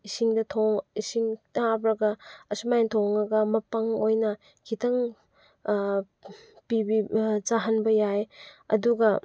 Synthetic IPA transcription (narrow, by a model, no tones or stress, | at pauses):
isiŋdɐtʰoŋisiŋtabɾɐɡɐːsumajntʰoŋɐɡɐmɐpɐŋojnɐ | kʰitʰɐŋ | pibit͡ʃaɦɐnbɐjajɐ̰duɡɐ